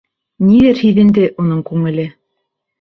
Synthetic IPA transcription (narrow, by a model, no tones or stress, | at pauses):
niɘɾhiðɘ̆nd̪ɘʔunɤɴkʉŋɘ̆lɘ